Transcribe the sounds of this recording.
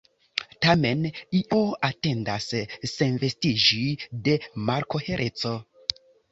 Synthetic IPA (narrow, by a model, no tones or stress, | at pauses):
tame̞niʔoate̞ndasːe̞nve̞stid͡ʒide̞maɾko̞he̞ɾʔe̞t͡so̞